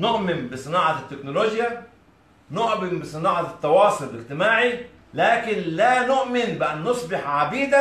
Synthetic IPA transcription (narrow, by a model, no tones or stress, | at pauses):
noʔmɪmbɪsˤɨnɑːʕɑt̪ːeknoloːɡja | noʔmɪmbɪsˤɨnɑːʕɑt̪ːɑwɑːsˤʊllɪɡt̪ɪmaːʕi | læːkɪnlænoʔmɪnbɪʔænːosˤbɪħʕabiːd̪æ